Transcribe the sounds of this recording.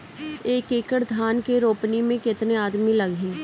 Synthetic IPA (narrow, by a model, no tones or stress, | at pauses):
eːkeːkəɽd̪ʱaːnkeɾoːpnimẽkɪt̪neaːd̪milɐɡʱẽː